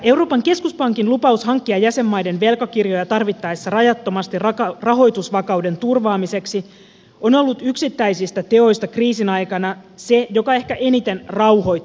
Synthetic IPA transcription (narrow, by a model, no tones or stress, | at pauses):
e̞wro̞ːpɑŋke̞skuspɑŋkinlupɑushɑŋkːiɑjæse̞mːɑjde̞nʋe̞lkɑkirjo̞jɑt̪ɑrʋit̪ːɑesːɑrɑjɑt̪ːo̞mɑst̪irkɑrɑɦo̞jt̪usʋɑkɑwde̞nt̪urʋɑːmise̞ksi | ono̞lːut̪yksit̪ːæjsist̪æt̪e̞o̞jst̪ɑkriːsinɑjkɑnɑse̞jo̞kɑe̞hkæʔe̞nit̪e̞nrɑwho̞jt̪ː